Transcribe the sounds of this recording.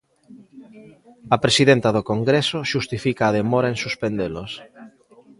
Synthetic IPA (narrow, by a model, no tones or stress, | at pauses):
apɾesiðent̪að̞okoŋɡɾesoʃust̪ifikaːð̞emoɾaensuspend̪elos